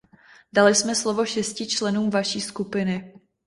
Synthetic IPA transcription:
dalɪsmɛslovo̞ʃɛscɪt͡ʃlɛnuːmvaʃiːskupɪnɪ

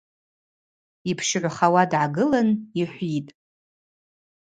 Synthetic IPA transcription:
ipʰʃʕʷaχawadʕaɡɨlaniħʷitʼ

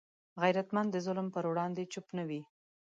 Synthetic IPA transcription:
ɣajɾat̪mand̪əzʊlmpəɾwɽɑnd̪et͡ʃʊpnawi

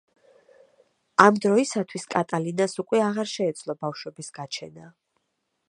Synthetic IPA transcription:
amd̪ɾɔisat̪ʰwiskʼat̪ʼalinasukʼwɛaʁaɾʃɛːd̪sʰʼlˠɔbafʃwɛbisɡ̥at͡ʃʰɛna

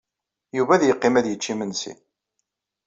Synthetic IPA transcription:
juvæðjəqːɪmæðjət͡ʃːimənsḭn

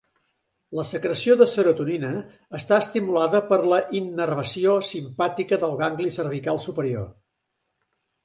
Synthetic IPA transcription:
ləsəkɾəsioðəsəɾut̪uninəː | st̪aəst̪imulaðəpəɾləʔinːərβəsiosimpat̪ikəðəlˠɣaŋɡlisərβ̞ikalˠsupəɾio̰

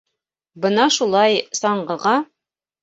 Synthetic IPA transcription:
bɤnɑʃulˠɑjsɒɴɢɤ̆ʁɑ

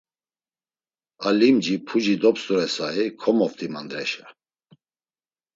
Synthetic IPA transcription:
alimd͡ʒipʰud͡ʒid̪ɔpst̪uɾɛsaɦikʰɔmɔft̪ʰimand̪ɾɛʃa

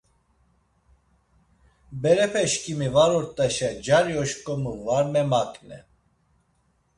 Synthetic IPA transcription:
bɛɾɛpʰɛʃkʰʼimivaɾɔɾt̪ʼaʃad͡ʒaɾjɔʃkʼɔmuvaɾmɛmakʼnɛ

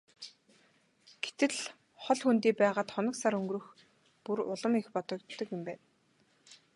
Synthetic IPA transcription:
ɡ̥e̥t̪ɘ̆ɮ | χɔɮxunt̪iːpæːʁaːt̪χɔnɞ̆ksaɾɵŋɡɾɵ̆x | purʊɮə̆mexpɔt̪ɞ̆kt̪ːɞ̆kjʊmpæːn

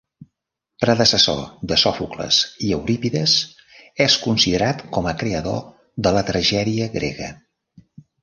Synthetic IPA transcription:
pɾəðəsəso̰ðəsɔfuklə̰ziəwɾipiðəz | ɛskunsiðəɾat̪kɔməkɾeəðo | ðələt̪ɾəʒɛðiəɣɾḛɣə̰

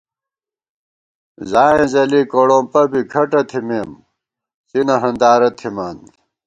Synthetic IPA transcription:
zaːẽzɐlikoɽõːmpɐbikʰɐʈɐt̪ʰimeːm | sinɐɦɐnd̪aːɾɐt̪ʰimaːn

